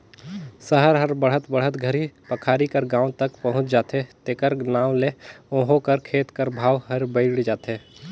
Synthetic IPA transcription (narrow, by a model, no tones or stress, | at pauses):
səɦəɾɦəɾbəɽ̤ɦət̪bəɽ̤ət̪ɡʱəɾipɐkʰaːɾikəɾɡãːwt̪ɐkpɐɦʊ̃t͡ʃd͡ʒaːt̪ɦet̪eːkəɾnaːwleõːɦokəɾkʰeːt̪kəɾbʱaːwɦəɾbəɪɽd͡ʒaːt̪ɦeː